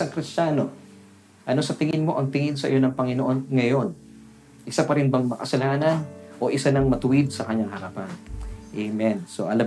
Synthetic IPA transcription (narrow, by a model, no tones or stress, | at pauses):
ɐŋkɾɪst͡ʃano̞ | ʔɐno̞sɐt̪ɪŋɪnmo̞ʔɐŋt̪ɪŋɪnsɐʔɪ̰jo̞nɐŋpɐŋɪnoʔo̞nŋɐjo̞n | ʔɪsapɐɾɪnbɐŋmɐkɐsɐlaːnɐnʔo̞ʔɪsanɐŋmɐt̪ʊwɪd̪̚sɐkɐɲaŋɦɐɾapɐnʔɛmɛnso̞̰ʔɐlɐ